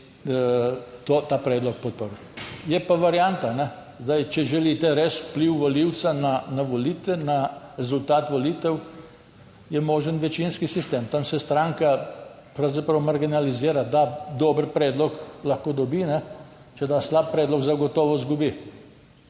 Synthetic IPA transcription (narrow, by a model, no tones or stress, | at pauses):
t̪ot̪aːpɾɛːd̪lɔk̚pɔt̪̚pəɾw | jɛpaʋaɾjant̪anɛzd̪ajt͡ʃɛʒɛlit̪ɛɾesu̥pliwʋɔliw̪t͡s̪ananaʋɔliːt̪ʋɛnaɾɛzult̪aːt̪ʋɔlit̪ɛw | jɛmɔːʒənʋɛt͡ʃinskisist̪eːmt̪amsɛst̪ɾaːŋka | pɾɐwzapɾɐwmaɾɡinaliziːɾad̪ad̪ɔːbəɾpɾɛːd̪lɔklɐxkoːd̪ɔbinɛ | t͡ʃɛd̪aslap̚pɾɛːd̪lɔɡzaɡɔt̪ɔːʋɔzɡubi